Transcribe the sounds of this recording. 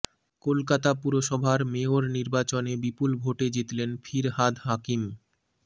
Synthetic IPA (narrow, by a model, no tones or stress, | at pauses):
kolkat̪apuɾoʃɔbʱaɾmeoɾniɾbat͡ɕonebipulbʱoʈed͡ʑet̪lenfʰiɾɦad̪ɦakim